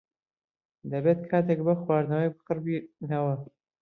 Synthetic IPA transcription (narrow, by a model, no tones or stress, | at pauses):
d̪ɐbet̪̚kʰaːt̪ʰek̚bɐxwaːɾnɐwɐjbɨ̥qɨrbinɐwɐ